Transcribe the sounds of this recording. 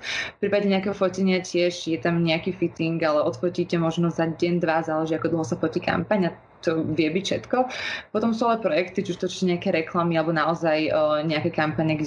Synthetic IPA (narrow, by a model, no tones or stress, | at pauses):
ffpɾiːpaɟɛɲɛakɛɦɔfɔcɛɲɪacɪɛʒjɛt̪amɲɛakiːfit̪iŋɡalɛɔt̪fɔciːcɛmɔʒnɔzaɟɛnd̪ʋazaːlɛʒiakɔd̪l̩ˠɦɔsafɔcika̰mpaɲa | t̪ɔʋɪɛbicfʃɛt̪kɔpɔt̪ɔmsuːalɛpɾɔjɛkt̪id͡ʒuʃt̪ɔt͡ʃt͡ɕɛɲɛakɛɾɛklamialɛbɔnaɔzajɲɛakɛkampaɲɛɡ